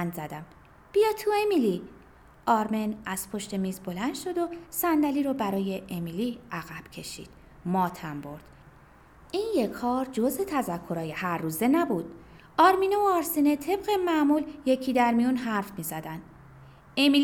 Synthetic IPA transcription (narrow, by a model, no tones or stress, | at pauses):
nzæd̪æm | b̥ijɒːt̪ʰuemili | ʔɒːɾmenæz̥pʰo̞ʃt̪e̞miːzbo̞lænd̪ʃo̞d̪o̞sænd̪æliːɾɔːbæɾɒːje̞ʔemiliʔæɣæb̥cʰe̞ʃḭːd̪̥ | mɒːt̪ʰæmbo̞ɾd̪̥ | ʔiːnje̞kʰɒːɾd͡ʒozet̪ʰæzækʰːo̞ɾɒːje̞hæɾːuːze̞næbuːd̪̥ | ʔɒːɾminooɒɾsinet̪ʰe̞bɣe̞mæmuːlje̞cʰiːd̪æɾmijunɦæɾfmiːzæd̪ænd̪̥ | emi